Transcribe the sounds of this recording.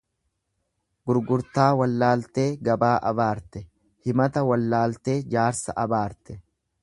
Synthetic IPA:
ɡʊɾɡʊɾt̪aːwɐlːaːlt̪e̞ːɡɐbaːʔɐbaːɾt̪ɛ | hɪmɐt̪ɐwɐlːaːlt̪e̞ːd͡ʒaːɾsɐ̰ʔɐbaːɾt̪ɛ

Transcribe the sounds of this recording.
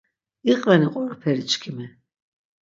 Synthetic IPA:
iqʼvɛniqʼɔɾapʰɛɾit͡ʃʰʼkʰimɛ

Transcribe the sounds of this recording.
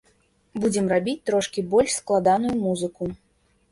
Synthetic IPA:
bud͡zʲɛmrabʲit͡sʲt̪ɾɔʂkʲibɔlʲʂsklˠad̪anujumuzɨku

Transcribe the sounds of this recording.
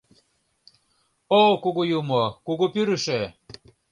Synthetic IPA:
okuɣujumokuɣupyɾɘʃe

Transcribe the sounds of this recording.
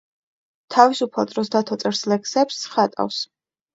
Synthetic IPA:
t̪ʰavisupʰlˠat̪ʼɾɔsd̪at̪ʰɔt̪sʼɛɾslɛksɛpsχat̪ʼa̰fs

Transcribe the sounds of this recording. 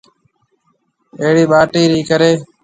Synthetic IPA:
eɦɽiːɓaːʈiːɾiːkəɾeː

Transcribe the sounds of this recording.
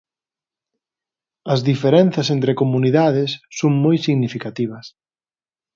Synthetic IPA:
ɐzðifeɾɛnθɐsent̪ɾekomuniðaðɪsːoŋmojsiɣnifikat̪iβ̞ɐs

